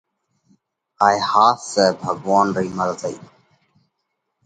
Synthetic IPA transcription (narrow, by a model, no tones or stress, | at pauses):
aːehaːsːɛːbʱəɡʋaːnɾiːməɾət̪əiː